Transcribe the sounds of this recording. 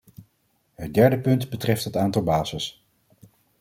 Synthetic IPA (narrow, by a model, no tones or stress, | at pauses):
ɦət̚dɛɹdəpɵntbətrɛftɦətaːntɑlˠbaːzəs